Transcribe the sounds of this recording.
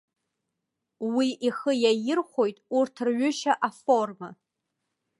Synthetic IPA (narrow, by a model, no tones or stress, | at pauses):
wiʔiχəjajɪrχʷo̞jtʼurtʰrɥʏʃaʔafo̞rma